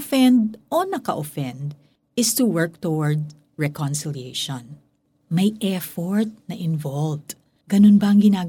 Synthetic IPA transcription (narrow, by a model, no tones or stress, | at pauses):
fɛ̃nd̪ʔonɐkɐʔofɛ̃nd̪ | ɪst̪uwɛɹk̚t̪ɔwɔɹd̪̚ | ɹɛkɔnsɪlieʃɔ̃n | mɐjʔɛɹfɔɹt̪̚nɐʔɪnvɔlv | ɡ̥ɐnonbɐɐŋɡɪnaː